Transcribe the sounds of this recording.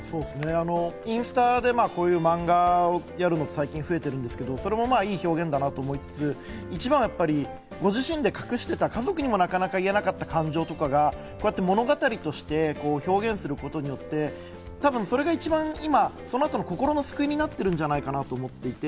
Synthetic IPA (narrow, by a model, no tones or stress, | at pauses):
so̞ːdesɨne̞ano̞ĩɰ̃sɨ̥t̪ad̪e̞maːko̞ːjɯ̟ːmãŋɡaojaɾɯ̟no̞t̪osaikʲĩɰ̃ɸɯ̟e̞t̪e̞ɾɯ̟nd̪esɨ̥ke̞d̪o̞so̞ɾe̞mo̞maːiːço̞ːɡẽ̞nd̪anat̪o̞ːmo̞it͡sɨ̥t͡sɨ | it͡ɕibãɰ̃japːaɾʲi | ɡo̞ʑiɕĩnd̪e̞kḁkɯ̟ɕi̥t̪e̞t̪akazo̞kɯ̟ɲ̟imo̞nakanakaie̞nakat̪ːakãɲ̟d͡ʑo̞ːt̪o̞kaɡa | ko̞ːjat̪ːemo̞no̞ɡat̪aɾʲit̪o̞ɕi̥t̪e̞ko̞ːço̞ːɡẽ̞ɰ̃sɨɾɯ̟ko̞t̪o̞ɲ̟ijo̞t̪ːe̞ | t̪abɯ̟̃ɰ̃so̞ɾe̞ɡait͡ɕibãɰ̃imaso̞no̞at̪o̞noko̞ko̞ɾo̞no̞sɨ̥kɯ̟iɲ̟inat̪ːe̞ɾɯ̟̃ɲ̟d͡ʑanaikanat̪o̞ːmo̞t̪ːe̞it̪e̞